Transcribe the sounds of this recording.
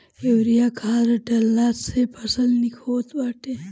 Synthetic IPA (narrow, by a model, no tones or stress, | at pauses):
ewɾijakʰaːɾəʈɐlːat̪sepʰɐsəlnikʰot̪waʈe